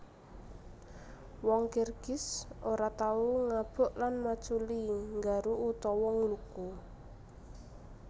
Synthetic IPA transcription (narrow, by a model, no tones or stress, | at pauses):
wɔŋkerɡ̥ɪsoɾat̪auŋab̥ɔ̤ʔlanmat͡ʃuliŋɡaɾuut̪ɔwɔŋluku